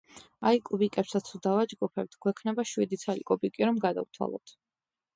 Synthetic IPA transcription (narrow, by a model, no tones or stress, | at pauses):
aikʼubikʼɛpsat̪stʰud̪avad͡ʒɡupʰɛp̚t̪ʰɡ̥wɛkʰnɛbaʃwid̪it̪sʰalikʼɔbikʼiɾɔmɡad̪a̰vt̪ʰwa̰lˠɔ̰t̪ʰ